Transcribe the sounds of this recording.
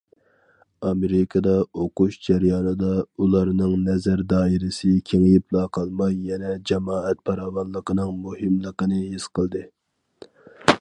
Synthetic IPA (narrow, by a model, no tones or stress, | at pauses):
ɑmeɾɪkʰɑd̪ɑoquʃd͡ʒɛɾjɑːnɨd̪ɑulˠɑɾnɨŋnɛzæɾd̪ɑːiɾɪsɪkʲʰeŋɪjɪplˠɑqʰɑlˠmɑjːɛnɛd͡ʒɛmɑːɛt̪̚pʰɑɾɑːwɑnlˠəqənɨŋmuhɨmlˠəqənɨɦesqəlˠd̪ɨ